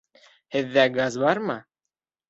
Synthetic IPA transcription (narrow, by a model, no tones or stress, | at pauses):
hɘ̆ðːæɡazbɑɾmɤ